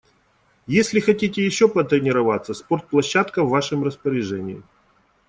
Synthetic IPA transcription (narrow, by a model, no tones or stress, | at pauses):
jesʲlʲɪxɐtʲitʲɪjɪɕːopət̪ɾʲɪnʲɪɾɐvat̪sːəspo̞rt̪̚plˠɐɕːat̪kəvːaʂɨmrəspəɾʲɪʐɛnʲɪɪ̰